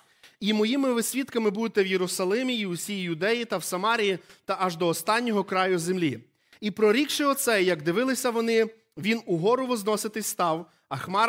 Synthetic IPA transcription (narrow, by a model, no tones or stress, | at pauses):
imɔjimɪʋɪsʲʋʲit̪kɐmɪbud̪ɪt̪ɛwjeɾʊsɐlˠɪmʲiiʊsʲijjʊd̪ɛjit̪ɐwsɐmɑɾʲijit̪ɐʔɐʒd̪ɔːst̪ɑnʲːɔɦɔkɾɑjʊzemlʲi | ipɾɔɾʲikʃɪɔt̪sɛjɐɡd̪ɪʋɪlˠɪsʲɐʋɔnɪ | ʋʲinʊɦɔɾɔʋɔznɔsɪt̪ɪsʲt̪ɑw | ɐxmɑ